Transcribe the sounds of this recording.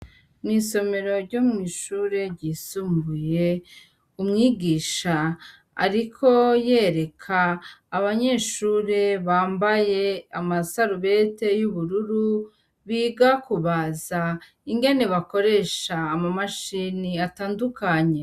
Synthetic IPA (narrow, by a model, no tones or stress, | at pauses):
niːso̞me̞ɾo̞ɾɟomŋiʃuːɾe̞ɾɟiːsuːmbuje̞ | umŋiːɡiːʃa | a̰ɾikʰo̞je̞ːɾe̞kʰaːβaɲe̞ːʃuːɾe̞βaːmbaje̞amasaɾuβe̞te̞juβuɾuɾu | βiːɡakuβaza | iŋɡe̞ne̞βako̞ɾe̞ʃaːmamaʃiːniataːndukʰaɲe̞